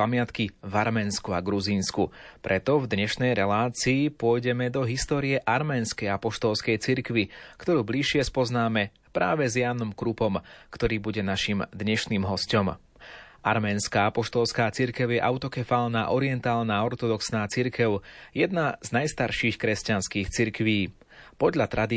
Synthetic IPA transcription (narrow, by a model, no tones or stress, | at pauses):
amɪat̪kivaɾmɛnskuaɡɾuziːnskupɾʔɛt̪ɔvd̪ɲɛʃnɛjɾɛlaːt͡siːpʊɔjɟɛmɛd̪ɔɦist̪ɔːɾiɛʔaɾmɛːnskɛjapɔʃt̪ɔlskɛjt͡siɾkʋikt̪ɔɾuːbliʃɪɛspɔznaːmɛ | pɾaːʋɛzjaːnɔmkɾupɔmkt̪ɔɾiːbuɟɛnaʃimd̪ɲɛʃniːmɦɔscɔm | ʔa̰ɾmɛːnskaːapɔʃt̪ɔlskaːt͡siɾkɛʊjɛʔaʊt̪ɔkɛfaːlnaʔɔɾɪɛnt̪aːlnaːɔɾt̪ɔd̪ɔksnaːt͡siɾkɛʊjɛd̪̚naz̥najst̪aɾʃiːxkɾɛscanskiːxt͡siɾkʋiː | pɔd̪ʎat̪ɾad̪i